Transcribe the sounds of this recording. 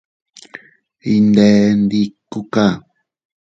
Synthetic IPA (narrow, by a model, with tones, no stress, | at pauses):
i˧nd̪e˨nd̪i˧kːu˦ka˦